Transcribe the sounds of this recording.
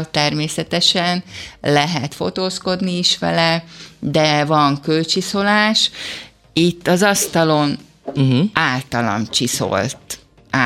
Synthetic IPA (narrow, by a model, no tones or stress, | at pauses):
t̪ɛrmeːsɛt̪ɛʃɛnlɛɦɛt̪fo̞t̪oːsko̞d̪niːʃʋɛ̰lɛd̪ɛvɒŋkølt͡ʃiso̞laːʃ | it̪ːɒzɒst̪ɒlo̞n | aːlt̪ɒlɒ̰nt͡ʃiso̞̰lt̪ | a